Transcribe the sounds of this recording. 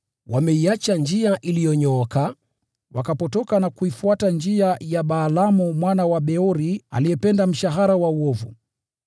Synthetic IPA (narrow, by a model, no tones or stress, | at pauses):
wamɛiat͡ʃand͡ʒiaʔilijɔɲɔɔka | wakapɔtɔkanakuifuatand͡ʒiajaɓaːlamumwanawaɓɛɔɾia̰lijɛpɛndam̩ʃaɦaɾawauɔvṵ